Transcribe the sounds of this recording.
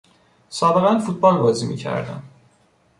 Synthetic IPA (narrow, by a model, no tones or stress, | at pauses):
sɑːbæɣænfut̪̚ʰbɒlvɒzimḭcʰæ̰ɾd̪æ̰n